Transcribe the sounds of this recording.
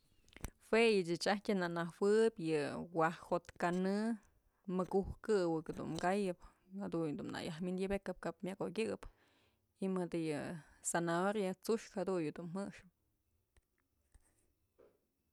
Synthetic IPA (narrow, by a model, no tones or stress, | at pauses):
fejɨt͡ʃɨt͡ʃahtʲɨnaʔnahwɨpjɨwahhot̪kanɨ | mɨkuhkɨwɨkd̪ṵnɡajɨp | had̪uɲd̪unna̰jahmind̪jɨbekɨp̚kapmjakoɡʲɨɨp | imɨd̪ɨjɨsanaoɾjat͡suʂkhad̪uɲɨd̪unmɨʂɨ̥p̚